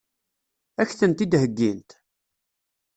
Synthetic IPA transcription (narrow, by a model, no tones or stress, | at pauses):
æçθənt̪id̪həɡːint̪